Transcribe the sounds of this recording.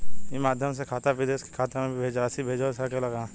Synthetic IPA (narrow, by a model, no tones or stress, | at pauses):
jimaːd̪ʱjəmsekʰaːt̪aʋɪd̪eːski̥kʰaːt̪amẽbʱibʱeːd͡ʒasibʱeːd͡ʒasɐkelɐɡãː